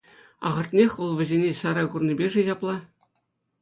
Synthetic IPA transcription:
ɑ̰ʁɤ̆rt̪ʲnʲexʲʋɤ̆lˠʋʲɘ̆zʲenʲesɑɾɑjkurnʲibʲeʐɘ̆ʑɑplˠɑ

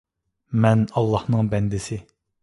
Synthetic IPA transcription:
mɛnɑlˠːɑhnɨŋbɛnd̪ɪsɪ

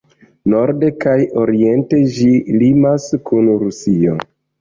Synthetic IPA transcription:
no̞ɾde̞kajo̞ɾie̞nte̞d͡ʒilimaskunɾusio̰

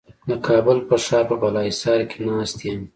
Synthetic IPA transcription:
d̪əkʰɑːbʊlpəʂɑpəbalɑisɑɾkenɑst̪jam

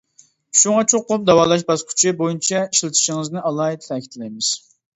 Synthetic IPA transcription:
ʃuŋɑt͡ʃʰoqːomd̪ɑwɑːlˠɑʃ̬bɑskʲʰy̥t͡ʃʰɪbojint͡ʃʰɛiʃlˠɨt̪ʰi̥ʃɪŋɨznɨʔɑlˠɑit̪ʰtɛkʲi̥t̪ʰɪlɛjmɪz̥

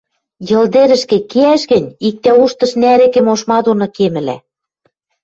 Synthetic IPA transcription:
jɤ̆ld̪eɾɘ̆ʃkĕkeæʃɣɘ̆nʲik̚t̪æuʃt̪ɤ̆ʃnæɾĕkĕmoʃmɑd̪onɤ̆kemɘ̆læ̰

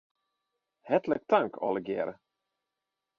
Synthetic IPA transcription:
hɛt̪lək̚t̪ʰaŋkʰɔ̰ləɡḛːɾə

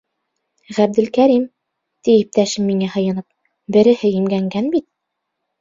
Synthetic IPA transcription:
ʁæb̚d̪ɘ̆lkæɾim | t̪ijip̚t̪æʃɘmːiŋæhɤ̆jɤ̆nɤp̚ | bɘ̆ɾɘ̆hɘjimɡæŋɡænbit̪̚

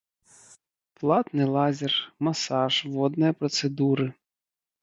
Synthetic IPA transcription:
plˠɑt̪nɪlˠɑzʲɪrmɐsɑʒʋɔd̪nɔjɐpɾɔt̪sed̪uɾɨ

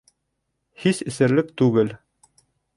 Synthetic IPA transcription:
hisɘ̆sɘ̆ɾlɘkt̪ʉɡɘl

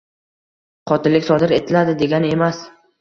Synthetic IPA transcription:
qʰɒt̪ɪlːɪkʲsɒd̪ɪɾe̞t̪ʰɪlad̪ɪd̪e̞ɡʲane̞mas

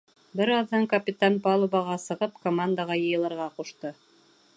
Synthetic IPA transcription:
bɘɾɑðːɑŋkɐpʲit̪anpɑlˠubɑʁɑsɤ̆ʁɤpkomand̪aʁɑjɤ̆jɤ̆lˠɤ̆ɾʁɑquʃt̪ɤ

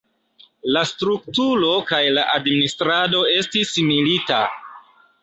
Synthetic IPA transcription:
lastɾuk̚tulo̞kajlaʔadministɾado̞e̞stismilita̰

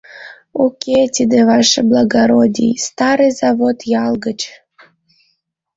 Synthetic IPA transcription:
okʲʰet̪ʲid̪evɑʃeblˠɑɡaɾodʲḭjst̪ɑɾɨjzɑvot̪jɑlˠɡət͡ɕ

